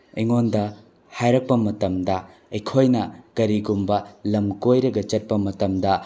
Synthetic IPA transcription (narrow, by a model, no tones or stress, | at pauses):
iŋondɐ | hajɾɐk̚pɐmɐtɐmdɐ | ɐjkʰojnɐkɐɾiɡumbɐlɐmkojɾɐɡɐt͡ʃɐt̚pɐmɐtɐmdɐ